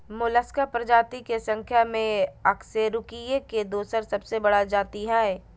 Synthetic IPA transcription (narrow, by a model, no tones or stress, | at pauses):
mʊləskapɾɐd͡ʒaːt̪ikesɐ̃ŋkʰjamẽɐkseɾʊkijeked̪oːsəɾsɐbsebɐɽad͡ʒaːt̪iɦɛː